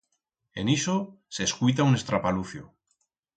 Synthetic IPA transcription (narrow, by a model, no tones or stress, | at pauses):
e̞niso | se̞ːskujt̪̬aune̞st̪ɾapaluθju